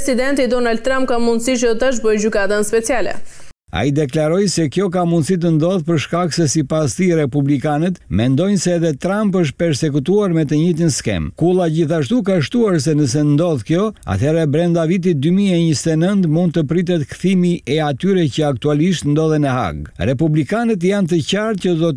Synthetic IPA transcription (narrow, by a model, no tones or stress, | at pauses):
sid̪ɛnt̪id̪ɔnald̪̚t̪ːɾãmp̚kamund̪sit͡ʃət̪ət̪aʒbɔjd͡ʑykad̪anspɛt͡sialɛ̰ | a̰id̪ɛklaɾɔjsɛkjɔk̬amund̪sit̪̬ənd̪ɔðpəɾʃkaksɛsipast̪iɾɛpublikanɛt̪mɛnd̪ɔjnsɛːðɛt̪ɾampəʃt̪̚pɛɾsɛkut̪uaɾmɛt̪əɲit̪̬inskɛ̰mkulˠaɟiθaʃt̪ukaʃt̪uaɾs̬ɛnəs̬ɛnd̪ɔðkjɔa̰t̪ʰhɛɾɛbɾɛnd̪avit̪̬id̪ymiɛɲist̪ɛnənt̪mund̪̚t̪əpɾit̪̬ɛt̪kθimiʔɛat̪yɾɛcəak̚t̪ualiʃt̪nd̪ɔðɛnɛɦa̰ɡɾɛpublikanət̪̬jant̪̬əcaɾt̪̚cəd̪ɔ